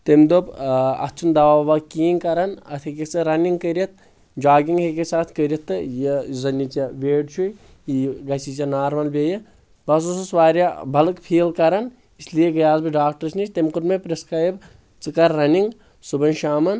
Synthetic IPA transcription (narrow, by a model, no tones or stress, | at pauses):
t̪emd̪opɐ̰t͡ʃʰund̪ɐʋaːʋɐkiːnkɐɾɐnɐt̪ʰɦekʲet͡sɐɾɐniŋɡkəɾʲɐt̪̚ | d͡ʒaːɡiŋɦekʲesaːt̪ʰkəɾʲit̪ːɨjezɐnʲːit͡ʃɐʋeːɖt͡ʃʰu | iɡɐsit͡ʃɐnaːɾmɐlbʲejɐ | bɐs̬ususʋaːɾʲɐbʱɐlɨkpʰiːlkɐɾɐn | islijeɡɐjaːzbiɖaːk̚ʈɐɾsnit͡ʃʲt̪emkuɾmepɾiskaːjb | t͡sɨkɐɾːɐniŋɡ | subɐnʃaːmɐn